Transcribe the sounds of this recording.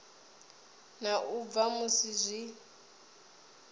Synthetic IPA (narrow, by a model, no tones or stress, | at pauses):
naʔub̪vamusizʷi